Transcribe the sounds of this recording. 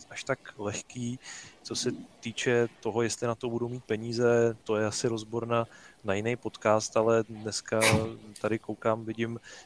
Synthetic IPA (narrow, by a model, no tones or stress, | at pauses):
ʔaʃt̪aklɛxkiːt͡so̞sɛt̪iːt͡ʃɛt̪o̞ɦo̞jɛst̪lɪnat̪o̞budowmiːt̪̚pɛɲiːzɛt̪o̞jɛasɪɾo̞zboɾnanajɪnejpo̞t̪kaːst̪alɛdnɛskat̪adɪkowkaːmvɪɟɪm